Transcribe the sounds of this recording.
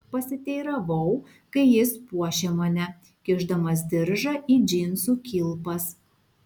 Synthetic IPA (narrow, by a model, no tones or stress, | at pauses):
pɐsʲɪt̪ʲɛɪɾɐʋɐʊ | kɐɪjɪspuɔʃʲemɐnʲɛ | kʲɪʒd̪ɐmɐs̬d̪ʲɪɾʒɐʔiːd͡ʒʲɪnsuːkʲilˠpɐs